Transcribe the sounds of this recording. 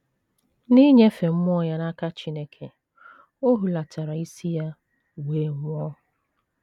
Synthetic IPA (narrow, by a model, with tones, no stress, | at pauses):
ni˦ɲe˦fe˨m̩˦mʷ˦ɔ˦ja˦na˦ka˦t͡ʃi˦ne˦kʰe˨ | o˦ɦu˨la˨ta˨ɾa˨i˦si˦ja˦ | weː˨ŋʷ˦ɔ˦